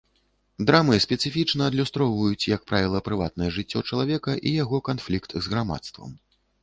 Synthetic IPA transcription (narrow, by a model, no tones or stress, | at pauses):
d̪ɾamɨsʲpʲɛt̪sɨfʲit͡ʂnɐːd̪lʲust̪ɾɔwvɐjut͡sʲjɐk̚pɾavʲilˠɐpɾɨva̰t̪̚nɐjɛʐɨt͡sʲːɔt͡ʂɐlˠavʲɛkɐʔijaɣɔkanflʲikt̪zɣɾama̰t̪st̪vɐ̰m